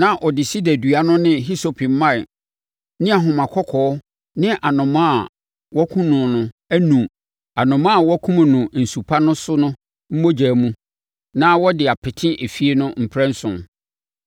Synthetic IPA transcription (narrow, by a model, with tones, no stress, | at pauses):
nã˦ʔɔ˨dɪ˨si˦dæ˨dɥa˦nʊ̃˦nɪ̃˦ɦi˦so˨pʰi˨m˦mã˦˨ | nɪ̃˦a˨ɦʊ̃˨mã˨kʰɔ˦kʰɔ˨˦ | nɪ̃˦ʔa˨nʊ̃˨mã˦˨ | wɔ˦kʰũ˦nʊ̃˨nʊ̃˨ | æ˦nũ˨ | a˨nʊ̃˨mã˦a˨wɔ˦kʰũ˦m̃˨nũ˨n̩˨su˨pʰa˦nʊ̃˦sʊ˦nʊ̃˦ | m̩˦mo˦d͡ʑæː˨mũ˦ | nã˦wɔ˦dɪ˨a˨pʰɪ˨tʰɪ̃˦ʔe˨fi˦e˦nʊ̃˦m̩˨pʰɾɛ̃˦n̩˦sʊ̰̃˨